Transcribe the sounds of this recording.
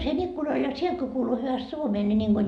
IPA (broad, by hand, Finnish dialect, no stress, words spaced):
siːhen ikːunɑl jɑ sielt ko kuːlu hyʋæst suomeː nʲi niŋɡ̊o